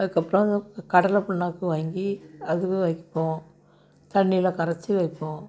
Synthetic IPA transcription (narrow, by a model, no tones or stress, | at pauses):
ɐðɯkːɐpːɯɾɔ̃kɐɽɐlɐpɐɳːaːkːɯʋaːŋɡiɐðɯkːɯʋɐɪkːɪ̥pːõː | t̪ɐɳːɪjɪlɐkɐɾɐt͡ʃːiʋɐɪpːõː